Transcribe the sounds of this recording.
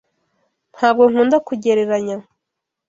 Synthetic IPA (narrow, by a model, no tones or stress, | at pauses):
n̥haːb̚ɡo̞ŋ̥uːndakuɟe̞ɾe̞ɾaɲa